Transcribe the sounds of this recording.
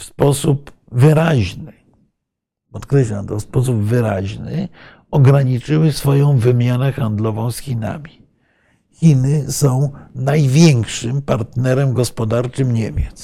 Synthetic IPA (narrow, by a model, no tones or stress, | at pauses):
fspɔsup | vɘɾaʑnɘ | pɔt̪kɾɛɕlamt̪ɔfspɔs̬ubvɘɾa̰ʑnɘ̰ | ɔɡɾaɲit͡ʂɘwɘsfɔjɔ̃w̃vɘmʲjanɛxand̪lɔvɔ̃w̃sxʲina̰mʲi | xʲinɘsɔ̃w̃najvʲjɛŋkʂɘmpaɾt̪nɛɾɛmɡɔspɔd̪aɾt͡ʂɘmɲemʲjɛt̪s